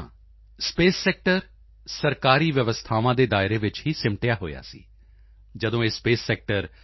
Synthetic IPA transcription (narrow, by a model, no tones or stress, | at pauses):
speːsːɛːk̚ʈəɾ | səɾkaːɾiːʋjəʋəst̪ʰaːʋãːd̪eːd̪aːɪɾeːʋɪt͡ʃɦiːsɪmʈɪjaːɦo̰ːja̰ːsḭː | d͡ʒəd̪õːeːspeːsːɛːk̚ʈəɾ